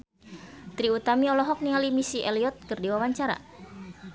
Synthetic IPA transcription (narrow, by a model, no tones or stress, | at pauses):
t̪ɾiut̪amiɔlɔɦɔk̚niŋalimisiʔɛliɔt̪̚kɨrdiwawaɲt͡ʃaɾa̰